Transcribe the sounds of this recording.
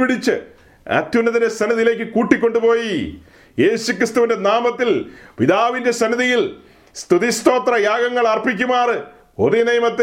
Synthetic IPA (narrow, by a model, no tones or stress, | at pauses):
piɽit͡ɕːɨ | ɐ̰t̪junːɐðine̞sɐniðijle̞ːkːɨkuːʈːikʲːo̞ɳɖupo̞ːji | je̞ːɕukrist̪uʋinde̞naːmɐt̪ːilpiðaːʋinde̞sɐniðijil | st̪uðist̪o̞ːt̪rɐjaːɡɐŋːɐɭɐrpik̬ʲːumaːrɨ | oðinɐjmɐt̪ː